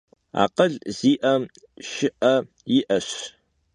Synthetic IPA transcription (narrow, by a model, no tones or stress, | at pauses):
a̰ːqɐɮz̥iːʔɐm | ʃɪʔɐ | jɪʔɐɕ